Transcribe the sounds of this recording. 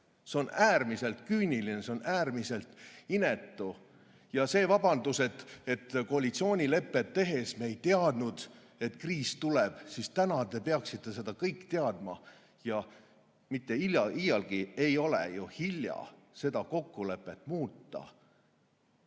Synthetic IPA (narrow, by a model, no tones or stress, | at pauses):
se̞o̞næːrmise̞lt̪kyːnʲilineseo̞næːrmise̞lt̪ine̞t̪ːˑu | jɑse̞ːvɑb̥ɑnd̪use̞t̪ːe̞t̪ːkoɑlit̪sio̞ːnʲile̞pːˑet̪ːe̞ɦe̞smejt̪eɑd̪nud̪̥ | e̞t̪kriːst̪ulɛb̥sist̪ænɑt̪e̞peɑksit̪ːˑe̞se̞d̪ɑkɤjkˑːt̪e̞ɑd̪̥mɑ | jɑ | mit̪ːe̞iljɑʔijɑlɡ̥iejo̞lḛjuhilʲjɑ̰ | se̞d̪̥ɑko̞kːule̞pːˑe̞t̪ːˑmuːt̪ːɑ̰